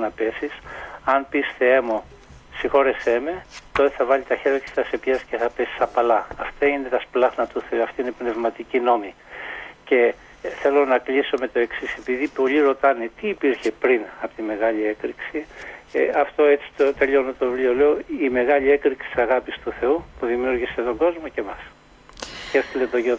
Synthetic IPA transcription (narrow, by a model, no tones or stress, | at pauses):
nɐpe̞sisɐnpisθeemo | sixo̞ɾe̞se̞me̞t̪o̞t̪eθɐvɐlit̪ɐçe̞ɾke̥t̪ɐse̞pjɐsceθɐpe̞si̥sɐpɐlɐːft̪ɐine̞t̪ɐsplɐɣnɐt̪uθe̞uɐft̪iine̞pne̞vmɐt̪icino̞mi | ce̞ | θe̞lo̞nɐklisome̞t̪o̞e̞ksise̞piðipo̞liɾo̞t̪ɐne̞t̪iːpiɾçe̞pɾinɐpo̥t̪ime̞ɣɐʎie̞kɾiksi | ɐft̪o̞e̞t͡si̥t̪ot̪eʎo̞not̪o̞vɾiole̞oime̞ɣɐʎie̞kɾiksi̥i̥sɐɣɐpist̪uθe̞upuðimiuɾʝise̞t̪o̞ɡo̞zmoce̞mɐs | çest̪ilet̪o̞ʝe